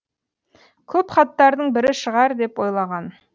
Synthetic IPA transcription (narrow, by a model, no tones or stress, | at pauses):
kʲʰɵpχɑt̪ːɑɾd̪əɴbɪɾɪʃəʁɑɾd̪e̞pwojlˠɑʁɑn